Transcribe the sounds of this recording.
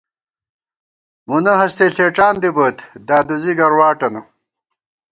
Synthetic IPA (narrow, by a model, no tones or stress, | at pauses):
munɐɦɐst̪eːɬeːʈ͡ʂaːnd̪ibɐt̪d̪aːd̪uziɡɐɾwaːʈɐnɐ